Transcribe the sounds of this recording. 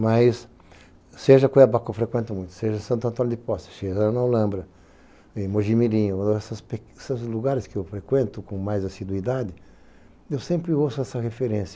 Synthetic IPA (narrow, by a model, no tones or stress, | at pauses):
majs | seʒɐkojabakewfɾekwẽnt̪ɐmũj̃t̪ʊ̥seʒɐsɐ̃nt̪ʊɐ̃t̪anʊd̪ɪpɔsɪ̥seʒɐnawlɐ̃mbɾɐ | ɪmoʒimilĩɲʊɛsɐspeksɐzluɡaɾɪskɪewfɾekwẽnt̪ʊkõmajzasid̪uid̪ad̪ɪ | ewsẽmpɾɪowsʊɛsɐhefeɾẽsjɐ